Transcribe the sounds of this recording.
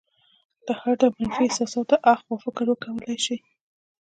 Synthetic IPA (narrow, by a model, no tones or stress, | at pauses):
d̪̥əhaɾd̪əmanfiɪsɑsɑt̪oʔaxpəfɪkɾwəkawəlajʃi